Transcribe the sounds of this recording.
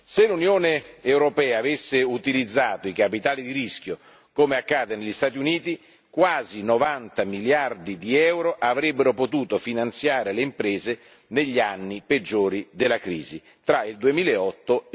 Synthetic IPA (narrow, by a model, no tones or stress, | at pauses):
selunjoːneewɾopɛːaːvesːeut̪ilid̪zːaːt̪oikapit̪aːlid̪iɾisk̟jo | komeakːaːd̪eneʎːist̪aːt̪̬iuniːt̪i | kwaːzinovant̪amiljard̪id̪iɛwɾoʔavɾɛbːeɾopot̪uːt̪ofinant̪sjaːɾeleimpɾɛːze | neʎːanːiped͡ʒːoːɾid̪elːakɾiːzi | t̪ɾaild̪uemiːleɔt̪ːo